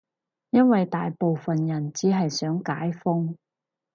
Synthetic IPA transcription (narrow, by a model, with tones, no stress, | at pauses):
jɐ˥nwɐ˨jt̪aː˨jpo˨wfɐ˨njɐ˨˩nt͡siː˨˥ɦɐ˨jsœː˨˥ŋkaː˨˥jfʊ˥ŋ